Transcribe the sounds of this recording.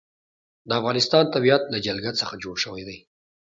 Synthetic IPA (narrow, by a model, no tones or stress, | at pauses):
d̪əafɣɑnɪst̪ɑnt̪abijat̪lad͡ʒalɡat̪səxad͡ʒoɽʃəwajd̪aj